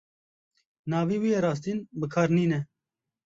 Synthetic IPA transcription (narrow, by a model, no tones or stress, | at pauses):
nɑːviːwiːjeɾɑːs̬t̪iːnbɨkʰɑːɾniːnɛ